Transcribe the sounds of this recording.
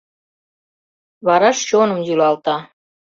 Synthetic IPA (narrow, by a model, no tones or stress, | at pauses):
βɑɾɑʃt͡ɕonə̆mjylɑlt̪ɑ